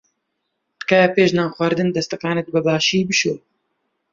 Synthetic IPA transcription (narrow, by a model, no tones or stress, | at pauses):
t̪kaːpeːʃnaːxʷwɐɾd̪ɨnd̪ɐst̪akaːnɛt̪̚bɨbaːʃiːbɨʃoː